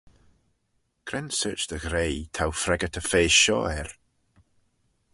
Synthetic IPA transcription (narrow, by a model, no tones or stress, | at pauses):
ɡ̥ɾɛ̃nsɜːt͡ʃðəɣɾejt̪ʰawfɾɛɡətʰəfeːsʃɔ̰ɛɹ